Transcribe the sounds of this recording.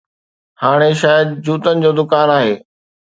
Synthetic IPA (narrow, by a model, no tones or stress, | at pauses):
haːɽ̃eʃaːjəd̪̚d͡ʑuːt̪ənɪ̆d͡ʑoːd̪ʊkaːnaːɦeː